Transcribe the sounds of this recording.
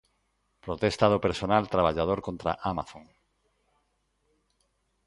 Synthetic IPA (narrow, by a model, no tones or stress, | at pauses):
pɾot̪ɛst̪aðopeɾsonalt̪ɾaβaʎað̞oɾkõnt̪ɾa̰ʔama̰θõŋ